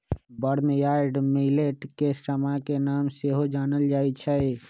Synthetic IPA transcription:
bəɾnjaɾɖmileʈkesəmakenaːmseɦod͡ʒaːnəld͡ʒaːet͡ʃʰəɪ

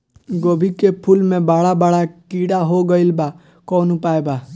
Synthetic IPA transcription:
ɡoːbʱikepʰʊlmẽbaːɽabaːɽakiːɽaɦoɡəɪlba | kɔːnupaːeba

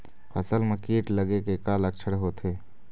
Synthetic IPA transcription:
pʰɐsəlməkeːʈləɡekekaːlək̚t͡ʃʰəɽɦoːt̪ʰeː

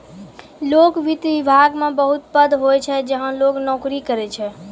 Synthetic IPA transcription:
lokʋit̪ʋibʱaɡmebəɦut̪̚pəd̪ʱɦojt͡ʃʰɛd͡ʒəɦənloknokɾikəɾɛt͡ʃʰɛ

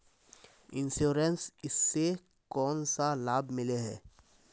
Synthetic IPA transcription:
ɪ̃nsuːɾɛnsɪsːe | kɔːnsalaːbmɪleɦɛː

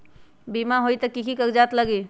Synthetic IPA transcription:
bimaɦoit̪ɐkikʰikəkd͡ʒaːt̪ləɡi

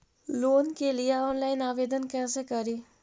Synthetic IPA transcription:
loːnkelɪeɔːnlaːɪnaːʋeːd̪ənkɛːsekəɾiː

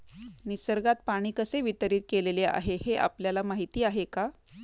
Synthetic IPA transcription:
nisəɾɡat̪̚paɽ̃iːkəseʋit̪əɾiːt̪̚kelelea̰ɦeheʔa̰pljalamaɦit̪iːaɦeka

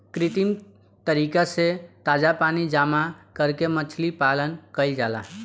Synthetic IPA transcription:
kɾɪt̪im | t̪əɾiːkaset̪aːd͡ʒapaːnid͡ʒaːmakəɾkemət͡ʃʰlipalənkəɪld͡ʒaːla̰

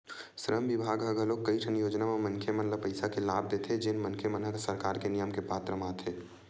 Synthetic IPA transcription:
sɾəmʋɪbʱaːɡɦɐɡɦɐloːkːɐiʈʰənjoːd͡ʒnamemɐ̃nkʰemɐnləpəɪsakelaːb̚d̪et̪ʰed͡ʒɪnmɐ̃nkʰemənɦəksɐɾkaːɾkenijəmkepaːt̪ɾəmaːt̪ʰeː

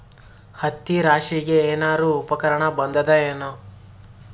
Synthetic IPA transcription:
hɐt̪ːiɾaːʂiɡeeːnaːɾuupɐkɐɾɐɳɐbɐnd̪ɐd̪ɐeːno

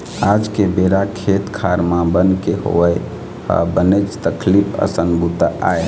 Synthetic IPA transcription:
ad͡ʒkebeɾakʰet̪kʰaɾmãbənkeho̰əj | ha̰bənət͡ʃt̪əkʰlipʰə̰sənbut̪aa̰j

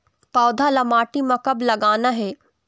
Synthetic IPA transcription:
paːd̪ʱalɐmaːʈimãkɐblɐɡaːnaɦɛː

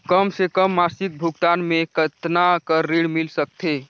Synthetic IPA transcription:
kəmsekəmːasik̚bʱuɡt̪aːnmekət̪nakəːiɽmilsək̚t̪ʰe

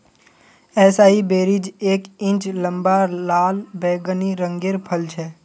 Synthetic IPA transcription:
ɛːsaːɦibeːɾid͡ʒeːkɪ̃nt͡ʃlə̃mbalaːlbɛːɡəniɾə̃ŋɡeɾpʰəlt͡ʃʰɛ

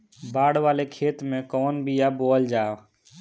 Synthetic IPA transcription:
baːɽʋalekʰeːt̪mẽkɔːnbʱijabold͡ʒaː

